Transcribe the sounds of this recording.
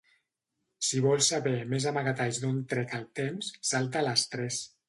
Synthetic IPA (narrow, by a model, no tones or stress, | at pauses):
siβɔlˠsaβɛmezamaɣat̪ajzd̪ont̪ɾɛkalˠt̪emsːalˠt̪̬alast̪ɾɛs